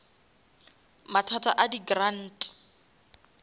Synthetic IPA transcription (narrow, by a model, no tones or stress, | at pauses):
matʰatʰʼaʔadiɡran̩ːtʼ